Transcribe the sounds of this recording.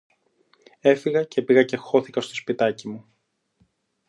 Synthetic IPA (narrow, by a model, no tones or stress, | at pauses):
e̞fiɣɐcepiɣɐce̞xo̞θikɐst̪ospit̪ɐcimu